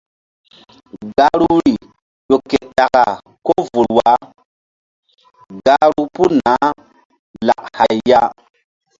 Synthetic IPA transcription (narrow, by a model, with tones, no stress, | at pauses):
ɡa˦ɾu˦ɾi˨ | ɗo˨kːe˨ta˨ka̰˨ | ko˦vu˨lwa˨˦ | ɡa˦ɾu˦pu˦na˨˦ | la̰˨ʔha˨jːa˦